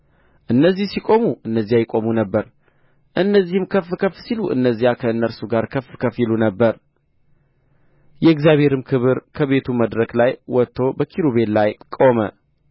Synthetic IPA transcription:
ʔɨnːəzːihsikʼo̞muʔɨnːəzːijajɛkʼo̞munəbːəɾ | ʔɨnːəzːihɨmkʰəfːɨkʰəfsiluʔɨ̰nːəzːijakʰəɨnːəɾsuɡaɾkʰəfːɨkʰəfjilunəbːəɾ | jɛɨɡzijaβhe̞ɾɨmkʰɨβɨɾkʰəβe̞t̪ʰuməd̪ɾəklajwɔt̪ʰːo̞bəkʰiɾuβe̞llajkʼo̞mə̰

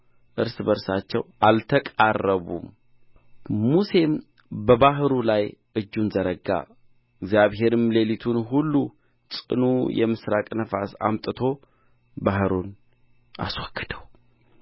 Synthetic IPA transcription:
ʔɨɾsbəɾsat͡ʃːɛwʔalt̪ʰəkʼarːəβṵm | muse̞m | bəbaɦɨɾulajʔɨd͡ʒːunzəɾəɡa̰ | ɪɡzjaβɦe̞ɾɨmlelit̪ʰunɦulːu | t͡sʼɨ̰nujɛmɨsɾakʼnəfasa̰mt̪ʼɨt̪ʰo̞ | bahɨɾun | a̰swɔɡ̥ːɨd̪̥əw

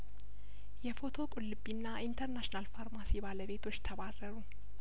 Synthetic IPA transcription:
jɛfo̞t̪ʰo̞kʼulːɨbːinːaʔint̪ʰəɾnaʃnalfaɾmasibaləβe̞t̪ʰo̞t͡ʃːt̪ʰəβarːəɾu

